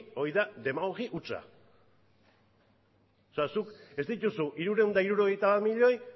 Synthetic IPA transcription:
o̞iðad̪e̞maɣoɣiʔut͡sa̰ | oseasuke̞zd̪it̪usuʔiɾuɾe̞und̪aiɾuɾo̞ɣ̞e̞jt̪aβaɾmiʎo̞j

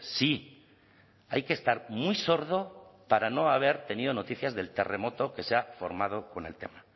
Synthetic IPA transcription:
si | ajkeːst̪aɾmujso̞ɾðo̞paɾano̞aβ̞e̞ɾt̪e̞nið̞o̞no̞t̪iθjazðe̞lt̪e̞re̞mo̞t̪o̞ke̞seafo̞̰ɾmað̞o̞ko̞ne̞lt̪e̞̰ma

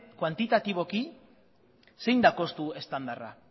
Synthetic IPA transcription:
kwant̪it̪at̪iβ̞o̞ki | se̞jnd̪ako̞st̪ue̞st̪and̪ara̰

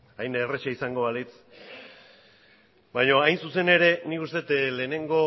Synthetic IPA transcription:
ajneret͡ʃaisaŋɡo̞βalit͡s | bajɲo̞ajnsuse̞ne̞ɾe̞nikust̪e̞t̪le̞ːne̞ŋɡo̞

